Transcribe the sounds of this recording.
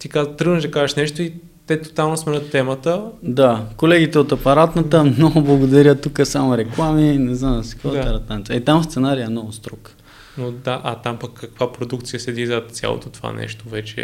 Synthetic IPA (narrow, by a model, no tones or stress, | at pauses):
t̪ikazət̪ɾɤɡnəʒd̪ɐkazɛʃnɛʃt̪oi | t̪ɛt̪o̥t̪alˠnosmɛnət̪ːɛmət̪əd̪akolɛɡit̪ɛot̪ɐpɐɾat̪nət̪əmnɔɡʊblˠɐɡod̪ɐɾʲət̪ukəsamoɾɛklˠaminɛznamɐsi̥kɔt̪ɛɾət̪ant̪ʲəit̪amfst̪sɛnaɾiɛmnɔɡʊst̪ɾɔk | nod̪aʔɐt̪ampɐkːɐkvapɾod̪ukt̪sijəsɛd̪izɐt̪sʲja̰lˠo̰t̪ot̪o̥va̰nɛ̰ʃt̪ovɛt͡ʃɛ̰